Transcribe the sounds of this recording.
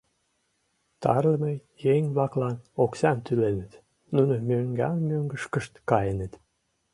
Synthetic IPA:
t̪ɑ̰rlə̆mejeŋʲβlɑklɑnoksɑnt̪ylenə̆t̪ | nunomøŋɡɑ̰nmøŋɡəʃkəʃt̪kɑjenə̆t̪

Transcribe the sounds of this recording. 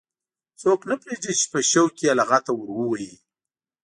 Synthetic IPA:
t͡soknapɾedit͡ʃe̥pəʃəwkialaɣat̪awəɾwuwaji

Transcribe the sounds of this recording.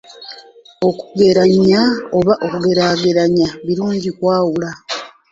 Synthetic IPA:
o̞ku̥ɡe̞ɾaɲːao̞βaʔokuɡe̞ɾaːɡe̞ɾaɲaβiɾuːɲɟikwaːwula

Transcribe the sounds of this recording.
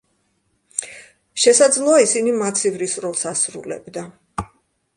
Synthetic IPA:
ʃɛsad̪zlˠɔaisinimat̪sʰivɾisɾɔlˠsasɾṵlɛ̰bd̪a

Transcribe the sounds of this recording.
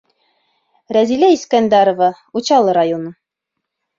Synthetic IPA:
ɾæzilæiskɑnd̪ɑɾŏva | ut͡ɕɑlˠɤɾajonɤ

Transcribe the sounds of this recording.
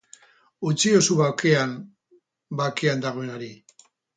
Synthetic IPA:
ut͡siosuβawkean | bake̞and̪aɣ̞o̞e̞naɾi

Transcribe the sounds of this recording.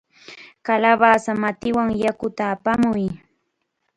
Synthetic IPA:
kalabasamat̪ɪwaŋjakʊt̪aːpamʊj

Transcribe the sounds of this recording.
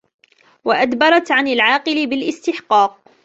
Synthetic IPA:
waʔad̪bɑɾˤɑt̪ʕanalʕɑːqɨlɪbɪlʔɪst̪ɪħqɑːq̚

